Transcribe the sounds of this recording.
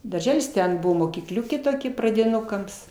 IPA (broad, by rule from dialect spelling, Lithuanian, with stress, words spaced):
dɐrʲˈʒʲæːlʲɪs ˈtʲɛn ˈbʊʋoː moːkʲiːˈklʲʊkʲeː toːˈkʲɛ prɐdʲɪˈnʊkɐms